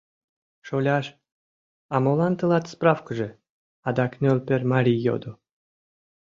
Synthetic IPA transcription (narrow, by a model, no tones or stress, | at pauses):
ʃolʲɑʃ | ɑmolɑnt̪əlɑt̪sprɑfkəʒe | ɑd̪ɑknʲølʲpermɑɾʲijːo̰d̪o